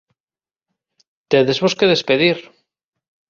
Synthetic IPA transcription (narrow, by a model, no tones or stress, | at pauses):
t̪eðezβoskeðe̞speðiɾ